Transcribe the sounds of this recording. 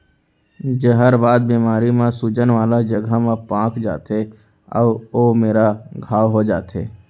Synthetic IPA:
d͡ʒəɦəɾbaːd̪̚biːmaːɾimẽsud͡ʒənʋaːlad͡ʒəɡʱamẽpãːkd͡ʒa̰ːt̪e | ɔ̰ːoːmeːɾaɡʱaːwɦod͡ʒa̰ːt̪ḛː

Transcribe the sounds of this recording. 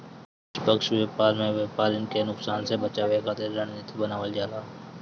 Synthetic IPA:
ɪʃpəkʃʋeːpaːɾmẽːʋeːpaːɾɪnkenʊksaːnsebət͡ʃaːʋeːkʰaːt̪ʰeɾəɳ̃et̪ʰibənaːʋəld͡ʒaːlaː

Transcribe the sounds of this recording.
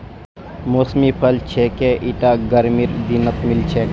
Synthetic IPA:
mosmipʰɐlt͡ʃʰekeʔiʈaɡəɾmiɾd̪inət̪milt͡ʃʰe

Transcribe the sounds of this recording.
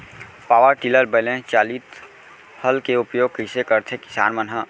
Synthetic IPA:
paːʋəɾʈiləɾbelẽt͡ʃaːliːt̪ | həlkeʊpjoːɡ̚kisekəɾt̪ʰekɪ̥sa̰ːnmənɦə

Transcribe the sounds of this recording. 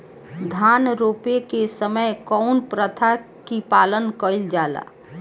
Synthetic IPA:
d̪ʱaːnɾoːpekesəməjkɔʊnpɾət̪ʰa | kipaːlənkəɪld͡ʒaːla̰ː

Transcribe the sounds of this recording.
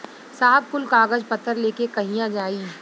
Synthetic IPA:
saːɦəb̚kʊlkaːɡəd͡ʒpɐt̪ʰːəɾleːkekɐɦijãd͡ʒaːiː

